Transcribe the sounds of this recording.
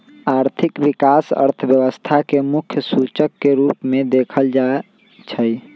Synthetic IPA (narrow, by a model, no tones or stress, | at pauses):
aɾt̪ʰikʋikasə̰ɾt̪ʰəbjəʋəst̪ʰakemukʰjəsut͡ʃəkːeɾupmẽd̪ekʰəld͡ʒa | t͡ʃʰəj